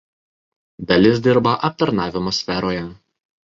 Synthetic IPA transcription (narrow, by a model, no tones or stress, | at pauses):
d̪ɐlʲɪsʲd̪ʲɪɾbɐʔɐp̚t̪ɐɾnɑːʋʲɪmɐːsʲfʲɛɾoːjɛ